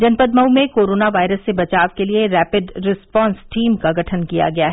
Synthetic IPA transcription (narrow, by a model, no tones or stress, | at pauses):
d͡ʒɐnpəd̪̚mɐumẽkoːɾoːnaʋaːɪɾəsːebɐt͡ʃaːʋkelieɾɛːpɪɖɾɪspɔ̃ːnsʈʰiːmkaɡʱɐʈʰənkija̰ɡɐjaɦɛ